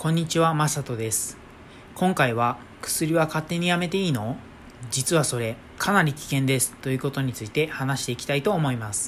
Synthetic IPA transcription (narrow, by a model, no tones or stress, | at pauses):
kõ̞ɲ̟ːit͡ɕiβamasat̪o̞d̪e̞sɨ̥ | kʰõ̞ŋkaiβ̞a | kɯ̥sɨɾʲiβakat̪ːe̞ɲ̟ijame̞t̪e̞iːno̞ | d͡ʑit͡sɨβaso̞ɾe̞ | kʰanaɾʲikʲi̥kẽ̞nd̪e̞sɨ̥t̪o̞jɯ̟ːko̞t̪o̞ɲ̟it͡sɨit̪e̞hanaɕi̥t̪e̞ikʲi̥t̪ait̪o̞ːmo̞imasɨ̥